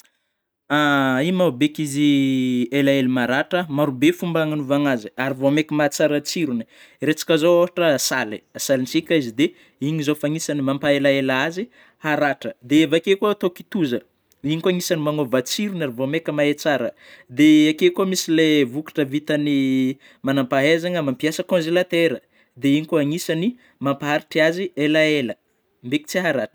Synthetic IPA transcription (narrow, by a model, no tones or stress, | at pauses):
aimabekizielaelimaɾaʈ͡ʂəmaɾubefumbaŋanuvaŋaziaɾivomekʲimat͡saɾət͡siɾuni | ɾet͡sḁkazoofaʈ͡ʂəsaliasalint͡sikʲaizid̪e | iɲizofaŋisanimampaelaelaazi | haɾaʈ͡ʂəd̪eevakekoat̪oki̥t̪uzə | iɲikuaŋisanimanovat͡siɾunaɾivomekəmaet͡saɾə | d̪eakekomisilevuki̥ʈ͡ʂəvit̪əni | manampaɦezaŋəmampiasəkõnzelat̪eɾə | d̪eiɲikuaŋisani | mampaɦaɾiʈ͡ʂiazielaelə | mbeki̥t͡siɦaɾaʈ͡ʂə̥